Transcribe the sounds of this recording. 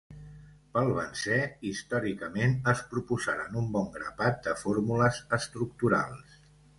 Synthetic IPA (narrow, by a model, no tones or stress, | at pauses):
pəlˠβənsɛist̪ɔɾikəmenəspɾupuzaɾənumbɔŋɡɾəpat̪̚d̪əfoɾmuləzəst̪ɾuk̚t̪uɾa̰lˠs